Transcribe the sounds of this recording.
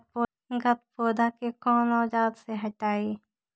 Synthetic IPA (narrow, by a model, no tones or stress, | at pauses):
po | ɡɐt̪̚poːd̪akekɔːnɔːd͡ʒaːd̪seɦɐʈaːeː